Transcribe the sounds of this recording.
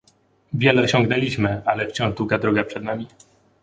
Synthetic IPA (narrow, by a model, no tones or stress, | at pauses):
vʲjɛlɛɔɕɔ̃ŋɡnɛlʲiɕmɘalɛft͡ɕɔ̃w̃ʐd̪wuɡad̪ɾɔɡapʂɛd̪namʲi